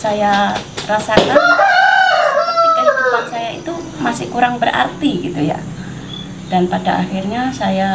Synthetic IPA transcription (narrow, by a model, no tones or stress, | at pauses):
sajarasakan | ət̪ikankulansajait̪umasɪ̰hkuɾaŋbərʔa̰rt̪iɡit̪uja̰ | d̥anpadaʔaxirɲasaja